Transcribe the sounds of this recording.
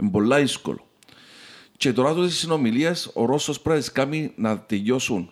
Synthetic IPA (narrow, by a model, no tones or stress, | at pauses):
embolːajsko̰lo | t͡ʃet̪oɾat̪uðessinomiliasoɾosospɾaeskaminaðt̪ejosun